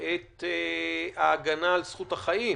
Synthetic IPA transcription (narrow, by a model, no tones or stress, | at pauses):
et̪eaːɡanaːlsχuthaχai